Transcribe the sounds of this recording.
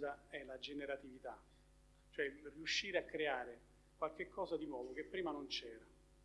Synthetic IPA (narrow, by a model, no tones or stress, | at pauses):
d̪aɛlad͡ʒeneɾat̪ivit̪a | t͡ʃoɛriuʃːiːɾeakːɾeaːɾe | kwalk̟ekʰːɔːzad̪inwɔːd̪ok̟epːɾiːmanont͡ʃɛːɾa